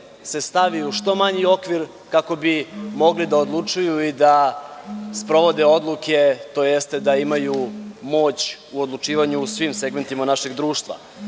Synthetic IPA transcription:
se̞st̪aʋiuʃt̪o̞maɲio̞kʋiɾ | kako̞bimo̞ɡlid̪aod̪lˠut͡ʂujuid̪a | spɾo̞ʋo̞d̪eo̞d̪lˠuke̞t̪o̞ːjest̪e̞d̪aimajumo̞ːt͡ɕuod̪lˠut͡ʂiːʋaɲuːsʋimse̞ɡme̞nt̪imanaʃeɡd̪ɾuːʃt̪ʋa̰

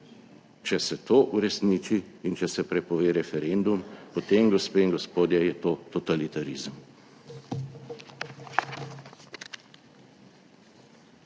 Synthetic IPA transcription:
t͡ʃɛsɛt̪oːʔuɾɛsniːt͡ʃiːnt͡ʃɛsɛpɾɛpɔʋeːɾɛfɛɾend̪umpɔt̪eːmɡɔspeːiŋɡɔspoːd̪jɛjɛt̪oːt̪ɔt̪alit̪aɾiːzəm

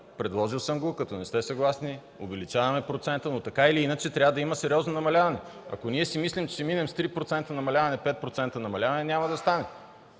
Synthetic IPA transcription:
pɾɛd̪lˠɔʒilˠsəmɡokɐt̪ɔnɛst̪ɛsɐɡlˠasni | ovɛlit͡ʃavɐmɛpɾot̪sɛnt̪ənot̪ɐkailiinət͡ʃɛt̪ɾʲavəd̪ɐiməsɛɾʲɔznonɐmɐlʲavɐnɛɐ̰koniɛsimislimt͡ʃt͡ʃɛminɛmst̪ɾipɾot̪sɛnt̪ənɐmɐlʲavɐnɛpɛt̪̚pɾot̪sɛnt̪ənɐmɐlʲavɐnɛnʲamɐd̪ɐst̪anɛ

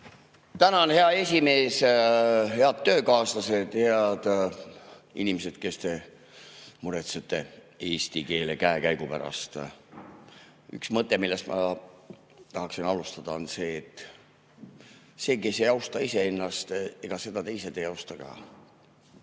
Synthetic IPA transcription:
t̪ænɑonhe̞ɑe̞sʲime̞ːs | he̞ɑd̪̥̚t̪ːø̞ːkɑːslɑse̞d̪̥heɑd̪̥ | ḭnʲimese̞d̪̥ke̞st̪e̞ | muɾet̪set̪ːˑe̞ | e̞ːsʲt̪ike̞ːlekæekæjɡ̥upæ̰ɾɑ̰st̪ | y̰ksmɤt̪ːˑemilːe̞st̪mʔɑ̰ | t̪ɑɦɑksinɑlust̪ɑd̪̥ɑo̞nse̞ːt̪ːˑ | se̞ːke̞sejɑwst̪ɑise̞e̞nːɑst̪e̞ɡ̥ɑse̞d̪ɑt̪e̞jsed̪̥ejɑwst̪ɑɡ̥ɑ̰ː

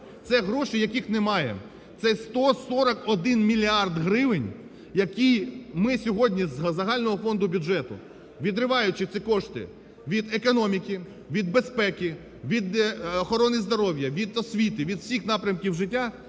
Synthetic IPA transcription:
t̪sɛɦɾɔʃɪjɐkixnɛmɑjɛ̰ | t̪sɛst̪ɔsɔɾɐkɔd̪ɪnmʲilʲiɑrd̪ɦɾɪʋɪnʲ | jɐkʲijmɪsʲɔɦɔdʲnʲizzɐɦɑlʲnɔɦɔfɔnd̪ʊbʲʊdd͡ʒɛt̪ʊ̰ | ʋʲid̪ɾɪʋɑjʊt͡ʃɪt̪sʲɪkɔʂt̪ɪ̰ | ʋʲid̪ekɔnɔmʲikʲi | ʋʲid̪̚bespɛkʲi | ʋʲid̪ɔxɔɾɔnɪzd̪ɔɾɔwʲjɐʋʲid̪ɔsʲʋʲit̪ɪʋʲid̪wsʲixnɑpɾʲɐmkʲiwʒɪt̬ʲːa

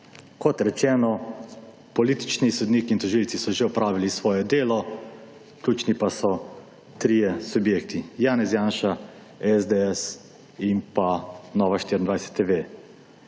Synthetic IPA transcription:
kɔt̪ɾɛt͡ʃɛːnɔ | pɔliːt̪i̥t͡ʃnisɔd̪niːkint̪ɔʒilt̪sisɔʒeɔpɾaːʋilisʋɔːjɛd̪eːlɔ | klʲuːt͡ʃnipasɔ | t̪ɾijɛsubjeːk̚t̪ijaːnɛsjaːnʃa | ɛzd̪eɛs | impanɔːʋaʃt̪iɾʲind̪ʋajsɛ̥t̪ːeːʋe

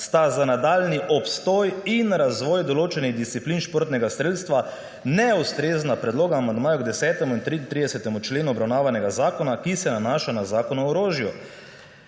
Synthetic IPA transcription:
st̪azanad̪aːlniʔɔpst̪ɔːjinɾazʋɔːjd̪ɔloːt͡ʃɛniɣd̪ist̪siplinʃpoːɾt̪nɛɡast̪ɾeːt̪st̪ʋa | nɛust̪ɾeːznapɾɛd̪loːɡaːmand̪maːjuɡd̪ɛsɛːt̪ɛmuint̪ɾint̪ɾid̪ɛsɛt̪ɛmut͡ʃleːnuɔbɾawnaːʋanɛɡazaːkɔnakisɛnanaːʃanazaːkɔnɔːɾoːʒju

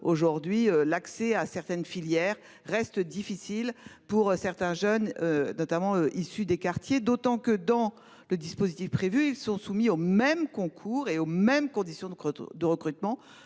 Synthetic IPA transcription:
oʒuʁd̪ɥiølaksɛasɛʁt̪ɛnfiljɛʁː | ɛst̪d̪ifisilpuʁøsɛʁt̪ɛ̃ʒœnønɔt̪amɑ̃øʔisyd̪ekaʁt̪jed̪ot̪ɑ̃kəd̪ɑ̃ | ləd̪ispozit̪ifpχevyilsɔ̃sumiomɛmkɔ̃kʰuʁeomɛmkɔ̃d̪isjɔ̃d̪əʁəkχyt̪mɑ̃

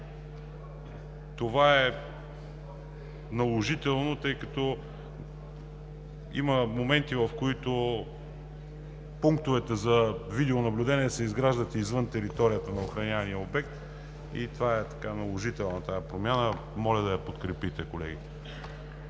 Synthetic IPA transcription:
t̪ovaɛ | nɐlˠoʒit̪ɛlˠnot̪ɤjkɐt̪ɔ | ḭməmomɛnt̪ivɐfkoit̪o | puŋk̚t̪ovɛt̪ɛzɐvid̪ɛonɐblʲud̪ɛnʲiɛsɛizɡɾaʒd̪ət̪izvɤnt̪ɛɾit̪ɔɾijət̪ənɐoxɾɐnʲaɐnijəobɛk̚t̪ | ḭt̪vaɛt̪ɐ̥kanɐlˠoʒit̪ɛlˠnɐt̪ajɛpɾomʲjanə | mɔlʲɐd̪ɐjɐpot̪kɾɛpit̪ɛkolɛ̰ɡʲit̪ɛ̥

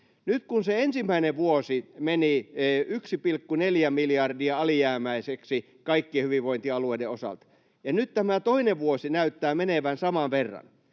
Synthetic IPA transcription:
nyt̪kunseensimːæineʋʋuosimeniyksipilkːuneljæmiljɑrdiɑɑliæːmæiseksi | kɑikːiehyʋiʋʋoint̪iɑlueideosɑ̰lt̪ | jɑnyt̪t̪æmæt̪oineʋʋuosinæyt̪ːæːmeneʋænsɑmɑʋʋerːɑ̰n

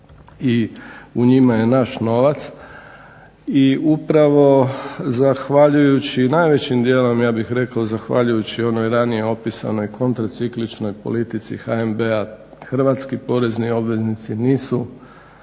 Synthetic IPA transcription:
iuɲimaje̞naʃno̞ʋat̪s | iupɾaʋo̞zaxʋaʎujut͡ɕinajʋe̞t͡ɕimd̪je̞ːlo̞mjaːbixɾe̞kaozaxʋa̰ʎujut͡ɕio̞nojɾanije̞o̞pisa̰no̞jkʰo̞nt̪ɾat̪siklit͡ʃno̞jpo̰lit̪it̪sḭxaembeaxr̩ʋat̪skipo̞ɾe̞znio̞bʋe̞znit̪siniːsu

